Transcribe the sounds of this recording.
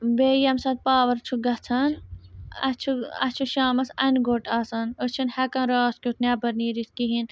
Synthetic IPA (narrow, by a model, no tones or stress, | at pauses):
beːjɐmsɐt̪̚paːʋɐɾt͡ʃʰuɡɐt͡sʰɐnɐ̰t͡ʃʰuɐ̰t͡ʃʰuʃaːmɐsɐnɡoːʈaːsɐnət͡ʃʰinhɐkɐ̃nɾaːskʲut̪ʰnʲaːbɐɾniːɾiskiɦin